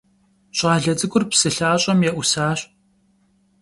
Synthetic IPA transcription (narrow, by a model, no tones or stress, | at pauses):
ɕʼɑːɮɐd͡zʼɨɡʷʊrpsɨɬaːɕʼɐmjɛʔʷʊsaːɕ